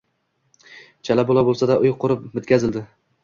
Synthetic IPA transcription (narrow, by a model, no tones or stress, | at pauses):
t͡ʃʰalabolˠabolˠsad̪aʔʊjqʰʊɾɪp̚mʊt̪̚kʲʰazɪld̪ɪ